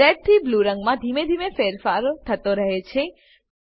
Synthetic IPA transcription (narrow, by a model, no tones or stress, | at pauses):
ɛɾ̚t̪ʰibluɾəŋɡmãd̪ʱimed̪ʱimefeɾfaɾt̪ʰət̪oɾəɦet͡ʃʰe